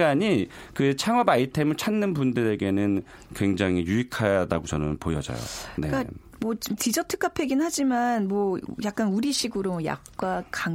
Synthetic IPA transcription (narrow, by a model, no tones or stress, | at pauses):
ɡaɲi | kɯt͡ɕʰaŋʌbaitʰemɯɭt͡ɕʰanːɯnbundɯɾe̞ɡe̞nɯn | kwe̞ŋd͡ʑaŋɦijuikʰajada̰ɡot͡ɕʌnɯ̰npojʌ̰d͡ʑʌ̰jo̰ne̞ka | mʌt͡ɕimt͡ɕid͡ʑʌtʰɯ̥k͈apʰe̞ɡinhad͡ʑimanmwʌjak̚k͈anuɾiɕʰiɡɯɾomoja̰k̚k͈wakaŋ